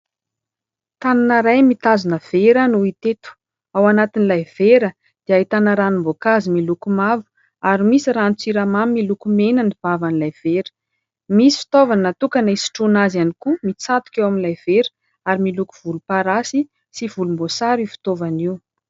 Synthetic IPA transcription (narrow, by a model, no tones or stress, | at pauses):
t̪ananəɾajmit̪azunəv̥eɾənuit̪et̪u̥ | awanat̪inilajv̥eɾə | d̪̥iait̪anaɾanimbokazimilukumavu̥ | aɾimisiɾant͡siɾamamːilukumenəniv̥avanilajv̥eɾə̥ | misi̥fi̥t̪ovanat̪ukanaisi̥ʈ͡ʂunazanikumit͡sat̪u̥kʲewaminlajv̥eɾə̥ | aɾimiluku̥v̥ulupaɾasi | siv̥ulumbosaɾifi̥t̪ovaniw